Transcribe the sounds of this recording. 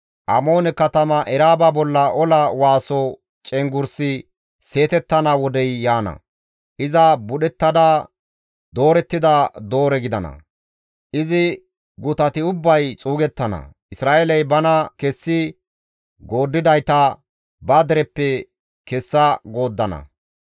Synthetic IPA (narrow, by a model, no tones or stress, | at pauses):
ʔɐmo̞ːnɛkɐt̪ɐmɐʔɛɾaːbɐbɔlːɐʔɔlɐwaːsɔ | t͡ʃʼɛŋɡʊɾsɪ | se̞ːt̪ɛt̪ːɐnɐwɔd̪ɛjːaːnɐ̰ | ʔɪzɐbʊɗɛt̪ːɐd̪a | d̪o̞ːɾɛt̪ːɪd̪ɐd̪o̞ːɾɛɡɪd̪ɐnɐ̰ | ʔɪzɪ | ɡʊt̪ɐt̪ɪʊbːɐjt͡sʼuːɡɛt̪ːɐnɐ̰ʔɪsɾaːʔelɐjbɐnɐkɛsːɪ | ɡo̞ːd̪ːɪd̪ɐjt̪ɐ | bɐd̪ɛɾɛpːɛ | kɛsːɐɡo̞ːd̪ːɐnɐ̰